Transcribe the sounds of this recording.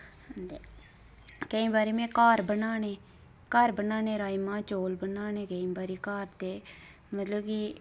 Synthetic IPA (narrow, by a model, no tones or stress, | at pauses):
nd̪e | kəĩːbaːɾeːmẽːkaːɾbənaːneː | kaːɾbənaːneːɾaːimãːt͡ʃoːlbənaːnẽːkəĩːbaːɾeːkaːɾt̪eː | mət̪ləbki